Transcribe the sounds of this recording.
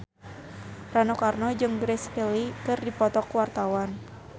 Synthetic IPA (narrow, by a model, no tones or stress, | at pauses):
ranokarnɔd͡ʒɨŋɡɾɛskelikɨrdipɔt̪ɔkwart̪awan